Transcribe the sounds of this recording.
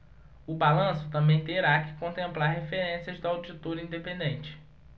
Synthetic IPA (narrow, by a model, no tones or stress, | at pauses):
ʊbalɐ̃sʊt̪ɐ̃mbẽj̃t̪eɾakɪ̥kõnt̪ẽmplaɾɦefeɾẽsijɐzd̪ʊawd͡ʒit̪oɾĩd̪epẽnd̪ẽnt͡ʃɪ̥